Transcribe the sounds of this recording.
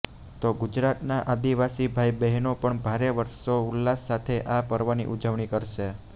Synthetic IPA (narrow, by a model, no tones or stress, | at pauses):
t̪oɡʊd͡ʒɾat̪naʔad̪iʋasibʱaibɛɦnopəɳbʱaɾeʋəɾʃoʊlːasːat̪ʰeʔapəɾʋənḭʔud͡ʒəʋɳikəɾʃe